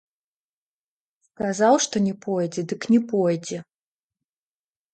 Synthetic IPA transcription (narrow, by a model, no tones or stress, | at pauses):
skazawʂt̪ɔnʲɛpɔjd͡zʲɛd̪ɨknʲɛpɔjd͡zʲɛ